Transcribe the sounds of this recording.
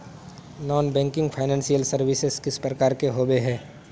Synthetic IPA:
nɔːnbɛ̃ːŋkɪ̃ŋɡpʰaːɪnɛ̃ːnsijəlsɐɾʋɪsɪzkɪspɾəkaːɾkeɦoːbeɦɛ̃ː

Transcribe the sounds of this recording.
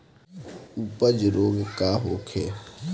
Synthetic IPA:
upəd͡ʒɾoːɡkaːɦoːkʰeː

